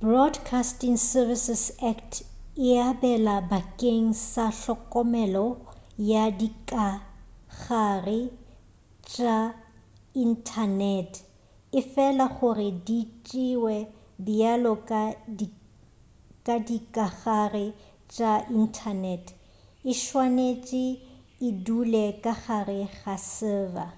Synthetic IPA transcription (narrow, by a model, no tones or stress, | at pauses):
brɔdkʰastɪŋsɛvisɪsaktʰ | ɪabɛlabakʼeŋ̩saɬɔkʼɔmɛlɔjadikʼa | ɣarɪ | t͡ʃʼa | in̩tʰanɛtʰ | ɪfɛlaχʊrɪdit͡ʃʼiwɛ | dialɔkʼad | kʼadikʼaχarɪ | t͡ʃʼaʔin̩tʰanɛt | ɪʃwanet͡ʃʼɪ | ɪdulɛkʼaχarɪχasɪːva̰